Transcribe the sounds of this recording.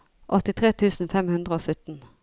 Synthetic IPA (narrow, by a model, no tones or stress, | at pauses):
ʔɔt̪ɪt̪ʰʁeːt̪ʰʉːsn̩fɛmhʉnd̪ʁəoːsœt̪n̩